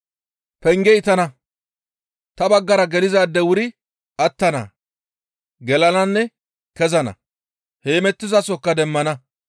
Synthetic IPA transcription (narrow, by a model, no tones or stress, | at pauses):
pɛŋɡɛɪt̪ɐnɐ | t̪ɐbɐɡːɐɾɐɡɛlɪzaːd̪ːɛwʊɾɪ | ɐt̪ːɐnɐ̰ | ɡɛlɐnɐnːɛ | kɛzɐnɐ̰ | heːmɛt̪ːɪzɐsɔkːɐd̪ɛmːɐnɐ